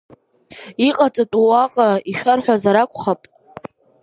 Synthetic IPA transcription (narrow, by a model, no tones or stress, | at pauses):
iqʼat͡sʼatʼuwaqʼaiʃᶣarħʷᶣazaɾakʷʰʼχapʼ